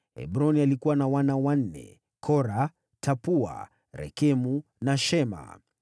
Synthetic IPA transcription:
ɛ̰bɾɔnialikuwanawanawan̩nɛ̰ | kʰɔɾa | tʰapua̰ | ɾɛ̰kɛmu | naʃɛma̰

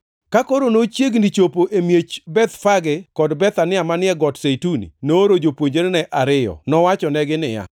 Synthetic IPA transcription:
kakoɾonot͡ʃjeɡnit͡ʃopoʔemjet͡ʃbɛt̪faɡɪkɔdbɛt̪anɪamanɪɛɡɔtsetunḭnoɾod͡ʒopwoɲd͡ʒeɾnɛʔaɾɪjɔ̰nɔwat͡ʃɔnɛɡɪnɪja̰

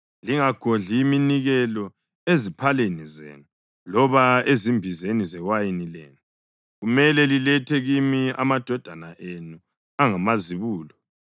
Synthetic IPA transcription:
liŋaɡ̥ʱoɮiminiɣɛlɔ | ezipʰalenizḛːnu | lɔβaezimbʱizenizɛwajinilḛːnu | ɣumɛlɛlilɛtʰɛɣimia̰mad̥ʱɔd̥ʱanaʔenu | aŋamaziβuːlɔ

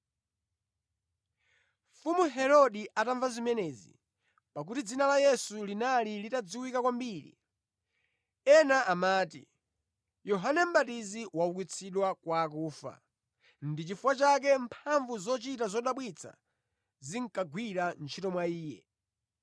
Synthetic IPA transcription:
fumuɦɛɾɔɗiʔataɱvazimɛnɛːzḭ | pak̬utid͡zinalajɛsulinalilitad͡ziwikakwambiːɾḭ | ɛnaʔamaːtḭ | jɔɦanɛm̩ɓatiziwaukwit͡sʰiɗwakwaːkuːfa̰ | ndit͡ʃifuwat͡ʃak̬ɛmpʰaɱvuzɔt͡ʃitazɔɗaɓwit͡sʰa̰ | ziŋkaɡwiɾant͡ʃʰitɔmwaiːjɛ

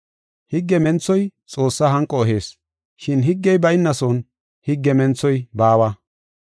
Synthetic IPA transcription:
hɪɡːɛmɛnt͡sːɔjt͡sʼo̞ːsːaːɦɐŋkʼːɔːɦe̞ːs | ʃɪnɦɪɡːɛjbɐjɪnːɐsɔn | hɪɡːɛmɛnt͡sːɔjbaːwɐ

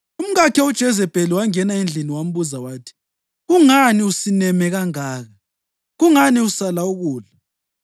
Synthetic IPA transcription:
um̩ɣakʰɛud̥ʒ̥ʱɛzɛb̥ʱʼɛliwaŋɛnaind͡ɮʱiniwam̩βuzawaːtʰi̥ | ɣuŋaniusinɛmɛɣaŋaːɣa | ɣuŋaniusalauɣuːla

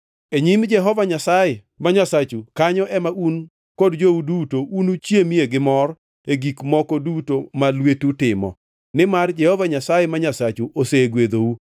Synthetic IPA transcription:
eɲimd͡ʒɛɦɔvaɲasajɛ | maɲasat͡ʃukaɲɔʔɛmaʔun | kodd͡ʒoudutoʔunut͡ʃjemieɡɪmɔr | eɡikmɔkɔdutomalwetutɪmɔ̰ | nɪmard͡ʒɛhɔvaɲasajɛmaɲasat͡ʃuʔoseɡwed̪ou

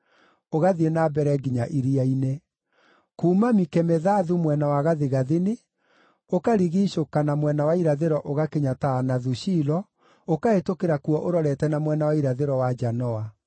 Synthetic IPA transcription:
oɣaðienabɛɾɛɡiɲaʔiɾiaine | kuːmamikɛmeðaðumwɛnawaɣaðeɣaðene | okaɾiɣiːɕokanamwɛnawaiɾaðeɾɔʔoɣakeɲataːnaðuɕiːlɔ | okaetokeɾakuɔʔoɾɔɾɛtɛnamwɛnawaiɾaðeɾɔwad͡ʒanɔa

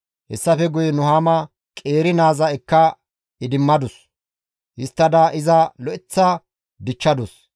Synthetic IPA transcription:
hɛ̰sːɐfɛɡʊjnʊhaːmɐ | kʼeːɾɪnaːzɐɛkːɐ | ɪd̪ɪmːɐd̪ʊs | hɪst̪ːɐd̪ɐʔɪzɐlɔʔɪt͡sːɐ | d̪ɪt͡ʃːɐd̪ʊs

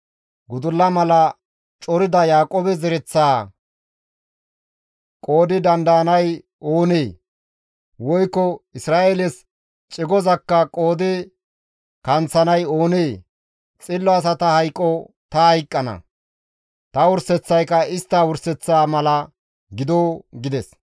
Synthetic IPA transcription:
ɡʊd̪ʊlːɐmɐlɐ | t͡ʃʼɔɾɪd̪ɐjaːkʼɔbɛzɛɾɛt͡sːaː | kʼo̞ːd̪ɪd̪ɐnd̪ɐːnɐj | oːneː | wɔjkːɔɪsɾaːelɛs | t͡ʃʼɪɡɔzɐkːɐkʼo̞ːd̪ɪ | kɐnt͡sːɐnɐjo̞ːneː | t͡sʼɪlːɔɐs̬ɐt̪ɐhɐjkʼːɔ | t̪ɐhɐjkʼːɐnɐ̰ | t̪ɐwʊɾsɛt͡sːɐjkɐɪst̪ːawʊɾsɛt͡sːaːmɐlɐ | ɡɪd̪oːɡɪd̪ɛs

